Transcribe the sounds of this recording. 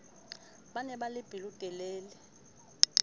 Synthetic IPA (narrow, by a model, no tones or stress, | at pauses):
ɓanɛɓalɪb̥ʱilud̥ʼʱɛlɛːlɛ